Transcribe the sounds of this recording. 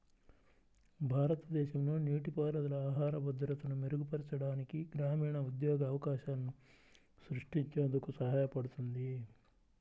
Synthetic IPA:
bʱaːɾɐt̪ɐd̪ɛːʃɐmnuniːʈipaːlɐd̪ɐlɐaːɦaːɾɐbɐd̪ɾɐt̪ɐnumeɾuɡupɐɾit͡ʃɐɽaːnikiɡɾaːmiːɳɐud̪joːɡɐːʋɐkaːʃɐɐnːu | sɾuʂʈiɲt͡ʃɐnd̪ɐkusɐɦaːjɐpɐɽut̪und̪i

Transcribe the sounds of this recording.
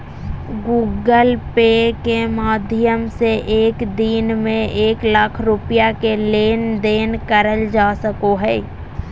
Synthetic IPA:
ɡuːɡəlpeːkemaːd̪ʱjəmseʔeːkd̪iːnmẽʔeːkləkʰɾʊpɪjakeleːnd̪eːnkəɾəld͡ʒaːsəkoɦɛː

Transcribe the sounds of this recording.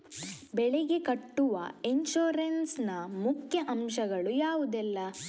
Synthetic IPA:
bɛɭɛɡe̞kɐʈːuʋɐ̰eɲʃoːɾɐnsnɐmukʰjɐʔɐmʃɐɡɐɭujaːʋud̪ɛlːɐ

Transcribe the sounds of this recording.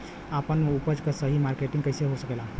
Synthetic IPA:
apənupəd͡ʒkəsəɦimaɾkeʈĩŋɡkəjseɦosəkela

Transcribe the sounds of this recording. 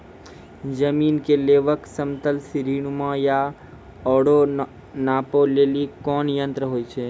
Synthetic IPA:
d͡ʒəmiːnkeleːʋəksəmt̪əlsɪɾiːɽ̃umãja | ɔːɽo | naːpoleːlikɔːnjə̃nt̪ɾəɦoːit͡ʃʰeː

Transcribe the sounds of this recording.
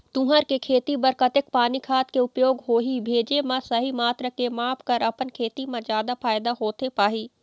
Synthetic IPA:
t̪ũːɦəɾkekʰeːt̪ibɐɾkɐt̪ɪkpaːnikʰaːt̪keʊpjoːɡɦoːɦibʱeːd͡ʒemãsɐɦimaːt̪ɾəkemaːpʰkɐɾɐpənkʰeːt̪imãzjaːd̪afaːjd̪aɦoːt̪epaːɦiː

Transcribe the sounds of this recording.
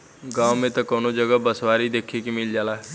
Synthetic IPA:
ɡãːmẽt̪ɐkɐwnod͡ʒəɡəbəsʋaɾid̪eːkʰekimɪld͡ʒaːlaɦɛ

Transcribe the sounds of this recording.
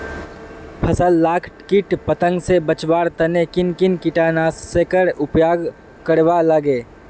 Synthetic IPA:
pʰəsəlːaːkʰʈkɪʈpət̪ə̃ŋɡsebət͡ʃbaːɾt̪ɐnekɪnkɪnkɪʈaːnaːsːekəɾʊpjaːɡ | kəɽʋaləɡeː

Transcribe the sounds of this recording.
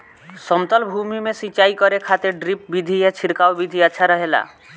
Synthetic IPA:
sɔmt̪ɔlbʱumimesit͡ʃaikɔɾekʰat̪eɖɾip̚bid̪ʱiet͡ʃʰiɾkawbid̪ʱiaːʃʰaɾɔɦela̰

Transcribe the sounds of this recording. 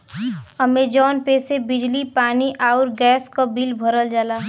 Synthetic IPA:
əmed͡ʒɔːnpeːsebɪd͡ʒlipaːniʔaːʊɾɡɛːskobilbʱəɾəld͡ʒaːlaː

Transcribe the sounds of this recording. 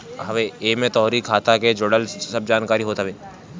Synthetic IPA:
ɦɐʋeeːmẽt̪ɔːɾikʰːaːt̪aked͡ʒoːɽəlsɐb̚d͡ʒaːnkaːɾiɦoːt̪aʋe

